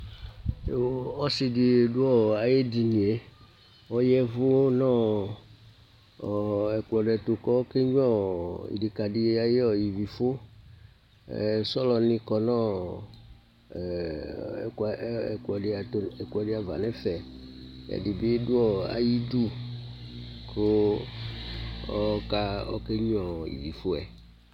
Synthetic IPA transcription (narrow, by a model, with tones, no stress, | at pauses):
ɔ˦si˨di˨du˦ɔ˦˨a˨je˦di˨nĩ˨e˦ | ɔ˦jɛ˦vu˦nɔ̃˦˨ | ɛ˨klɔ˨ɖɛ˨t̪o˨kɔ˦ke˦ɲ˦ɔ̃˦ḭ˨ɖe˨ka˨ɖi˨a˨je˦ɔ˨ji˨vi˨fo˦ | ɛ̰˨sɔ˦lɔ˨nĩ˦kɔ˨nɔ̃˦˨ | kulɔ˨ɖe˨a˨t̪o˨ɛ˨kulɔ˨ɖe˦a˨va̰˨nɛ̃˦fɛ˨ɛ̰˨di˨be˦du˦ɔ˦a̰˨ji˦ɖu˦ | kʰo˦ | ɔ˦ka˦ɔ̰˦ke˦ɲ˦ɔ̃˨jḭ˨vi˨fo˦ɛ̰˨